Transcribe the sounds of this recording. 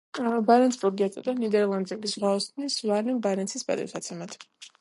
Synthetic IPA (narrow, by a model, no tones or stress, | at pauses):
baɾɛntsʰpʼɾɔɡiat̪ʼa̰d̪anid̪ɛɾlˠand̪zɛbisʁwaɔsnisvaɾnɛmbaɾɛntsʰisba̰d̪ʼɛ̰ɾsat̪sʰɛmat̪ʰ